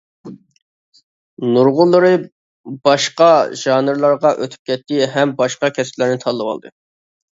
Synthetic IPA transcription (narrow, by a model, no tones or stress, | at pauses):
nuɾʁʊlˠːəɾɨ | b̥ɑʃqɑʒ̥ɑːnɨɾlˠɑɾʁɑʔøt̪ʰy̥p̚kʲɛt̪ːɪɦɛmbɑʃqɑkʲʰɛsplæɾnɪt̪ʰɑlˠːɨwɑ̰lˠd̪ɨ